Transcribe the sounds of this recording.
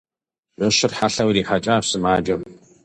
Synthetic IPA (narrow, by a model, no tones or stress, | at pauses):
ʒʷɔɕɪrħaɬɐwɾiːħat͡ʃʼaːfsɨmaːd͡ʒɐm